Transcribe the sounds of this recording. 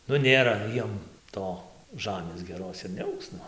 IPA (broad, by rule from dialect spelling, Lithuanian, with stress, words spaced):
ˈnʊ ˈnʲeːrɐ ˈjiɛm ˈtoː ˈʒɑːmʲeːs ɡʲɛˈroːs ɪr nʲɛˈɐʊks ˈnʊ